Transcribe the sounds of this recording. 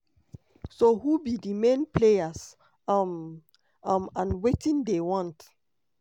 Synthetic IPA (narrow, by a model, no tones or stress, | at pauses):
soɦubidimẽnplejas | m | ʌmãnwetĩndewɔ̃nt